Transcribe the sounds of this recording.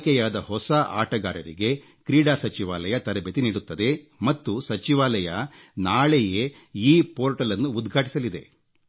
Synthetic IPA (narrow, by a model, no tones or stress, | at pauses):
kɛjaːd̪ɐhɔsɐa̰ːʈɐɡaːɾɐɾḭɡe̞ | kɾiːɽaːsɐt͡ʃiʋa̰ːlɐjɐt̪ɐɾɐbʱet̪iniːɽut̪ːɐd̪e̞ | mɐt̪ːusɐt͡ʃiʋaːlɐjɐ | naːɭeje | iːpoːɾʈɐlɐnːuːd̪ɡʱaːʈi̥sɐlid̪e̞̰